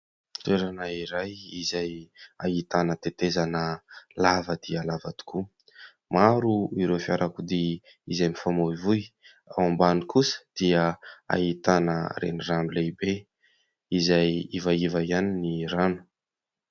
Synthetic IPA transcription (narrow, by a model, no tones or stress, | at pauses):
t̪ueɾanaiɾajizajaɦit̪anət̪et̪ezanəlavəd̪̥iəlavat̪u̥ku | maɾuiɾefiaɾʔakud̪i | izajmifamoivuj | a̰ambanikʰusə̥d̪̥iəa̰ɦit̪anə̰ɾḛniramilebe | izajivaivaianiniɾanu̥